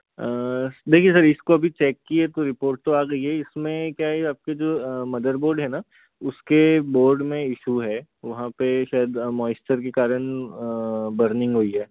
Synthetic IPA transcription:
əːd̪eːkʰiesɐɾɪskoɐbʱit͡ʃɛːkːiet̪oɾɪpoːɾʈ̚t̪oaːɡɐiɦɛɪsmẽkjaːeaːp̚ked͡ʒoːmɐd̪əɾboːɾɖɦɛna | ʊskeboːɾɖmẽɪʃuɦɛː | ʋɐɦãpeʃaːjəd̪mɔːɪsʈəɾkekaːɾəɳ̃ | bɐɾnɪ̃ŋɡɦoiɦɛː

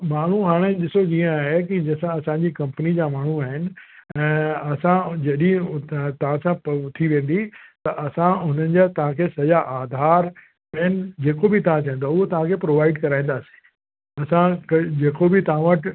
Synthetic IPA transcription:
maːɳ̤uɦaːɽ̃eɗɪsoiːə̃aːɦekid͡ʑɐsãɐsãɲd͡ʑiːkɐ̃mpnid͡ʑaːmaːɳ̤̃uaːɦɪnɪ̆ | ɛ̃ːɐsãd͡ʑɐɗĩt̪ɐʋ̤ãsãpt̪ʰiʋẽːn̆d̪it̪ɐʔɐsãʊn̤ənɪ̆d͡ʑat̪ɐʋ̤ãkʰesɐjaʔaːd̪ʱaːɾ | ɐɦɪnɪ̆d͡ʑeːkobɪt̪ɐʋ̤ãt͡ɕãɦə̃nd̪oʊɦot̪ɐʋ̤ãkʰepɾoːʋaːɪɖkɐɾaːĩn̆d̪aːsĩ̥ | ɐsãkd͡ʑeːkobɪt̪ɐʋ̤ãʋəʈ

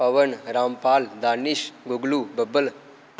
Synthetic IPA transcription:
ɐʋənɾaːmpaːld̪aːniʃɡuɡlubəbəl

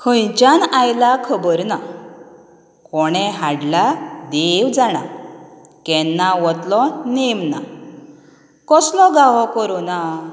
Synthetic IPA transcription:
kʰə̃jt͡ɕanajlakʰəbəɾna | kɔɽ̃ɛ̃ɦaɽlad̪eʋd͡zaɽ̃a | kɛnːaʋɔt̪lɔnemna | kɔslɔɡaʋɔkɔɾona

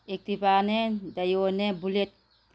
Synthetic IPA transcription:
ek̚t̪ipanedajonebulet̚

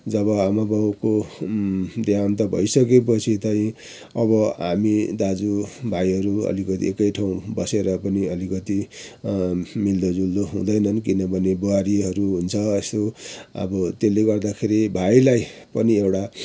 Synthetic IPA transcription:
d͡zʌβʌamabʱako | d̪ʱjant̪̬ʌbʱʌ̰jsʌk̬ep̬ʌt͡sʰit̪ʌĩ | ʌbʌɦamid̪ad͡zubʱajɦʌɾuʌ̰likʌt̪ḭekʌjʈʰaw̃bʌseɾʌpʌniʌlikʌt̪i | mild̪od͡zuld̪oɦṵ̃d̪ʌjnʌnkinʌbʱʌneboaɾiɦʌɾuɦunt͡sʰʌest̪oʌ̰bʌt̪eleɡʌrd̪akʰeɾibʱajlajpʌniewʈa

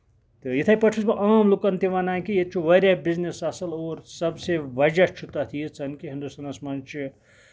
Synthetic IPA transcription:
t̪ɨjit̪ʰajpɐʈʰusbɐʔaːmlukɐnt̪iʋanãkijet͡ʃʰuʋɐɾʲjabiznesɐsɐloːɾsɐbseʋɐd͡ʒat͡ʃʰut̪ɐt̪ʰijet͡sʰɐnkiɦind̪usɐnɐsmɐnt͡ʃʰi

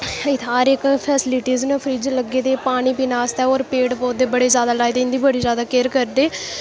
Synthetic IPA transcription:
ɪt̪ʰɦaːɾɪkpʰɛːsɪlɪʈiːznẽːpʰɾiːd͡ʒləɡeːt̪eːpaːɽ̃iːpiːnaːst̪ɛːoːɾpeːʈpoːd̪eːbəɽeːzjaːd̪aːlaːjt̪eːɪ̃nd̪iːbəɽiːzjaːd̪aːkeːɾkəɾd̪eː

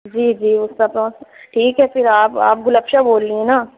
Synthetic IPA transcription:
d͡ʒiːd͡ʒiːʊsːapɾõːsʈʰiːkɦɛpɪɾaːpa̰ːp̚ɡʊləpʃaboːlːiẽnaː

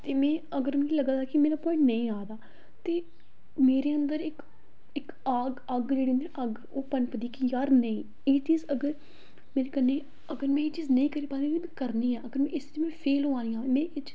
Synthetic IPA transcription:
t̪eːmɛ̃ːəɡəɾmɛ̃ːkːləɡaːd̪aːkɪmeːɾaːpɔːɪ̃ɳʈnəĩːaːd̪aː | t̪eː | meːɾeːənd̪əɾɪk | ɪk | aːɡəɡd͡ʒeːɽiːə̃nd̪iñʔəɡ | oːpənpəd̪iːkijaːɾnəĩː | eːt͡ʃiːzəɡəɾ | meːɾeːkənːeː | əɡəɾmɛ̃ːɪːt͡ʃiːznəĩːkəɾiːpaːd̪iːkimɛ̃ːkəɾniːɛːʔəɡəɾmɛ̃ɪsiːd͡ʒmɛ̃ːpʰeːlõãːniːaːmẽːɪt͡ʃ

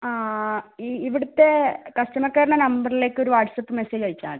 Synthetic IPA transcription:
aiiʋiɽut̪ːe̞kɐʂʈɐmɐkːaːɾɐɳɐnɐmbɐrile̞ːkːo̞ɾuʋaːʈsɐpːɨmeseːd͡ʑɐɻit͡ɕːa̰ːɳɨ

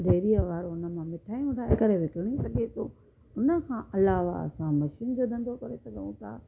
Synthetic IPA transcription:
d̪ʱeːɾiəʋaːɾoʊnə̆mãmɪʈʰaːjũt̪ʰaekəɾeʋɪkɪɽ̃isɐɡʱet̪ʰo | ʊnə̆kʰãːʔɐlaːʋa̰ɐ̰sãmɐʃind͡ʑoːd̪ɐ̃nd̪ʱokɐɾesɐɠəʋũt̪ʰa̰ː

